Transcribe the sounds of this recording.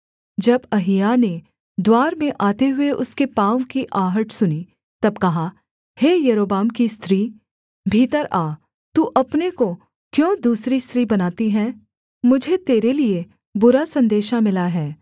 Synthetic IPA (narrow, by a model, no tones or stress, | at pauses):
d͡ʒɐbɐɦɪjane | d̪waːɾmẽʔaːt̪eɦʊeʔʊskepãːwkiʔaːɦəʈsʊni | t̪ɐbkɐɦa | heːjɐɾoːbaːmkist̪ɾiː | bʱiːt̪əɾaː | t̪uːʔɐpneko | kjõːd̪uːsɾist̪ɾiːbɐnaːt̪iɦɛː | mʊd͡ʒʱet̪eːɾelie | bʊɾasɐ̃nd̪eːʃamɪlaɦɛː